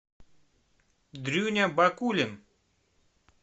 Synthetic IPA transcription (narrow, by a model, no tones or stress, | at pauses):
d̪ɾʲunʲabɐkulʲɪn